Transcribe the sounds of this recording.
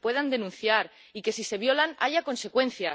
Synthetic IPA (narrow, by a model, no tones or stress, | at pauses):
pwe̞ðand̪e̞nũn̟θjaɾ | ike̞sise̞β̞jo̞lana̰ʝako̞nse̞kwe̞nθja